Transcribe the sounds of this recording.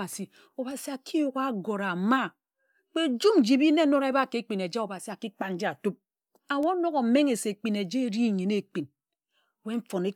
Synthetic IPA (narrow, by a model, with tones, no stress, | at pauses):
a˨si˨ | o˨ba˨si˨a˨kʰi˦jo˨ɣa˦ɡo˨ɾa˨ma˦ | k͡pe˦˨d͡ʒu˦m̩˦d͡ʒi˨bi˦ne˦no˦ɾe˦ba˦˨ke˨˦k͡pi˨ne˨d͡ʒa˦o˨ba˨si˨a˨ki˦k͡pa˦˨n̩˦d͡ʒi˦a˨tu˦p̚ | a˨wo˦no˦ɣo˨m̩˨me˦ŋe˨se˨k͡pi˨ne˨d͡ʒe˦ɾi˦˨ɲi˨ne˨k͡pi˨n˨ | we˦ɱ̩˦fo˨ne˦